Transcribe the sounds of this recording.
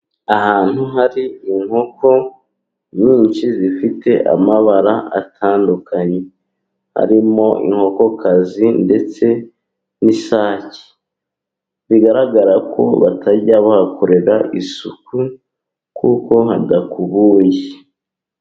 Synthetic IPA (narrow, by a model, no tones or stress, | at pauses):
ahaːn̥huɦaɾiiŋho̞kʰo̞ | ɲiːnʃizifite̞ʔa̰maβaɾaʔa̰tʰaːndukʰaɲe̞ | ha̰ɾimo̞ʔḭŋho̞ko̞kazinde̞t͡se̞ | nisaːce̥ | βiɡaɾaɡaɾakʰo̞̰βatʰaɟaβahakʰo̞ɾe̞ɾaʔisuku | kʰuko̞ɦadakuβuːje